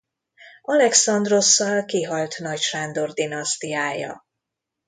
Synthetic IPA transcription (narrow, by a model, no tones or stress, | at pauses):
ɒlɛksɒnd̪ro̞sːɒlkiɦɒlt̪nɒcʃand̪o̞rd̪inɒst̪ijaːjɒ̰